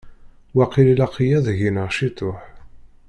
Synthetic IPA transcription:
wæqːililaqijæðʝinəʁʃit̪ˤːʊħ

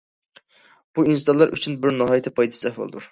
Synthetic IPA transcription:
b̥uinsd̪ɑnlˠɑɾʔy̰t͡ʃʰynbɪɾnɑɦɑjet̪ʰɛpʰɑjd̪ɨsɨlɛhbo̰lˠɨ̰d̪ṵɾ

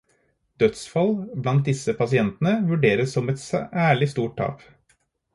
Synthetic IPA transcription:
d̪œt̪sfɑlblɑnt̪̚d̪ɪsəpʰɑsɪɛnt̪n̩əʋʉɖeːɾəsɔmɛt̪sæːɭɪst̪uːʈ̚t̪ʰɑ̰ːp

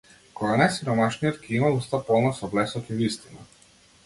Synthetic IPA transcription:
kɔɡanajsiɾɔmaʃnijɔt̪kʰɛimaust̪apɔlˠnasɔblɛsɔt̪ivist̪ina

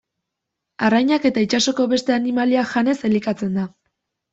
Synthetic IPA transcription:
arajɲake̞t̪ait͡ʃaso̞ko̞βe̞st̪e̞animaliaʝane̞se̞likat͡se̞nd̪a

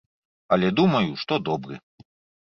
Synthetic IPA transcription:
ɐlʲɛd̪umɐjuʂt̪ɔd̪ɔbɾɨ̰

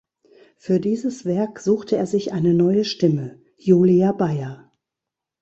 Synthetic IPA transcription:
fyːɐdiːzəsv̥ɛɐkz̥uːxtʰəeːɐzɪçʔaɪnənɔʏəʃtɪmə | juːliabaɪɐ

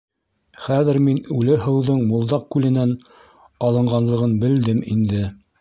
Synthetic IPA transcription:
χæðɘ̆ɾminʉlɘɦɤ̆wðɤɴmŭlˠd̪ɑq̚kʉlɘ̆næn | ɑlˠɤ̆ɴɢɑnlˠɤ̆ʁɤnbɘ̆ld̪ɘmind̪ɘ

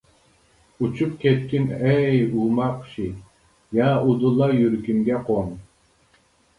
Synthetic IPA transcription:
ut͡ʃʰup̚kʲʰɛt̪̚kʲʰinɛjumɑqʃi | jɑud̪ulˠːɑjyɾkʲymɡʲɛqʰon

